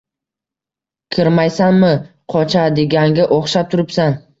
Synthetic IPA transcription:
kʲʰɪɾmajsanmɪqʰɒt͡ʃʰad̪eɡʲaŋɡʲaʔoχʃap̚t̪ʰʊɾɪpsan

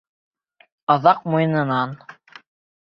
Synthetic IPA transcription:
ɑðɑq̚mujɤ̆nɤ̆nɑn

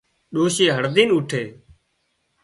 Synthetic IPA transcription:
ɗoːʃeːɦəɾd̪iːnʊʈʰeː

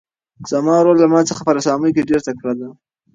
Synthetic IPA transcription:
z̥amɑwɾolːamɑt͡səxapəɾasɑməjk̬eɖeɾt̪akɽad̪a

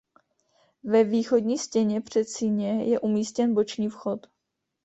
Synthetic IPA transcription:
vɛviːxo̞dɲiːscɛɲɛpr̝̥ɛt̪siɲɛjɛʔumiːscɛnbo̞t͡ʃɲiːfxo̞t̪

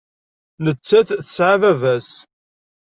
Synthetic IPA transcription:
nət͡sːæθθəsʕavævæs

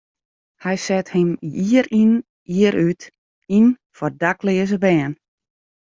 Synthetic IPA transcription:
hɛjsɛthɪmjiəɾin | iəɾyt | in | fɔrdaklɪəzəbɛːn

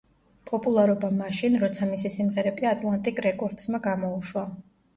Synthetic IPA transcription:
pʼɔpʼulˠaɾɔbamaʃinɾɔt̪sʰamisisimʁɛɾɛbiat̪ʼlˠant̪ʼikʼɾɛkʼɔɾd̪smaɡamɔuʃwa

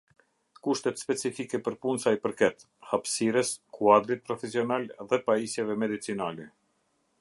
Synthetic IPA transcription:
kuʃt̪ɛt̪spɛt͡sifikɛpəɾpunsaipəɾkɛt̪ | hapsiɾɛskʰuad̪ɾit̪̚pɾɔfɛsiɔnalðɛpaisjɛvɛmɛd̪it͡sinalɛ

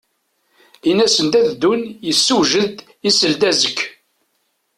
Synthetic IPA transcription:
inæsənt̪æðd̪unjəsːuʒəd̪ | isəld̪æzəkː

